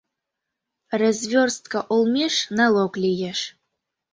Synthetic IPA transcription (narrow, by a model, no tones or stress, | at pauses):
razvʲorst̪̚kaʔolˠmʲeʃnɑlˠoklʲijeʃ